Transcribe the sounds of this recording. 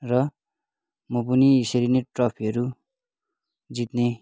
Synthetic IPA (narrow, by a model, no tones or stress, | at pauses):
rʌ | mʌpuniːseɾineʈrʌpʰiʌɾu | d͡zit̪ne